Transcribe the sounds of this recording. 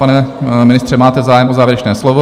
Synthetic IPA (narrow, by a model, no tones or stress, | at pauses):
anɛmɪnɪst̪r̥ɛmaːt̪ɛzaːjɛmozaːvjɛɾɛt͡ʃnɛːslovo